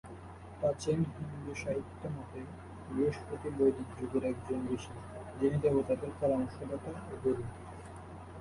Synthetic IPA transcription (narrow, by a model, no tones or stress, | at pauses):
pat͡ɕʰenɦimd̪eʃaɦit̪ːomɔt̪e | bioʃpot̪ibojd̪it̪d͡ʑuɡoɾɛkd͡ʑonb̪iʃi | d͡ʑinid̪ɛbot̪ad̪eɾkɔɾaɔŋʃod̪at̪aoɡoɾun